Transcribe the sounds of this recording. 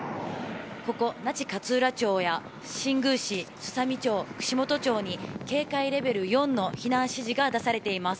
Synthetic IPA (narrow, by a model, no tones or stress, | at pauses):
ko̞ko̞nat͡ɕi̥kat͡sɨːɾat͡ɕo̞ːja | ɕĩŋɡɯ̟ɕisɨ̥samʲit͡ɕo̞ːkɯ̟̥ɕimo̞t̪o̞t͡ɕo̞ːɲ̟ike̞ːkaiɾe̞be̞ɾɯ̟jõ̞nːo̞çinãɰ̃ɕiʑiɡad̪asaɾe̞t̪e̞imasɨ̥